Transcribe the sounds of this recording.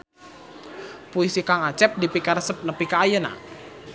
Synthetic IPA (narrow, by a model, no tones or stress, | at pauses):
puisikaŋat͡ʃɛp̚dipikaɾsəp̚nəpikaːjəna̰